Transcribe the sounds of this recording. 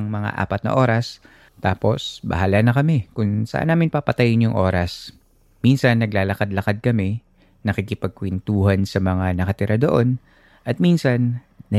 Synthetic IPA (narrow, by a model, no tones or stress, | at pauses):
ŋmɐŋa̰ʔa̰ːpɐt̪nɐ̰ʔo̞ːɾɐs | t̪aːpo̞sbɐ̰ɦaːlanɐkɐmɛkʊŋsɐ̰ʔa̰nːaːmɪnpapɐt̪ɐjɪnjʊŋʔo̞ːɾɐs | minsɐnːɐɡlaːlɐkad̪lɐkad̪̚kɐmɛ | nɐkikɪpɐɡ̚kwɛnt̪uːhɐnsɐmɐŋanɐkɐt̪ɪɾʔad̪oʔo̞n | ʔɐt̪̚miːnsɐnː | ɐ